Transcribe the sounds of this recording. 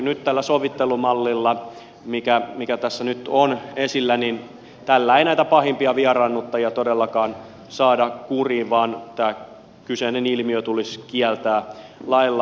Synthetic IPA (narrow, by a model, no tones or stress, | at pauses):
nyt̪t̪ælːæsoʋit̪ːelumɑlːilːɑ | mikæmikæt̪æsːænyt̪onesilːænin | t̪ælːæeinæit̪æpɑhimpiɑʋiɑrɑnːut̪ːɑjɑt̪odelːɑkɑːn | sɑːdɑkuriːʋʋɑːnt̪æː | kysenenilmiøt̪uliskiælt̪æːlɑilːɑ